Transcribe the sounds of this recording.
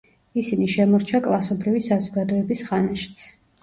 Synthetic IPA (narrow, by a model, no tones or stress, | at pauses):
isiniʃɛmɔɾt͡ʃʰakʼlˠasɔbɾivisazɔɡad̪ɔɛbisχanaʃi̥t̪sʰ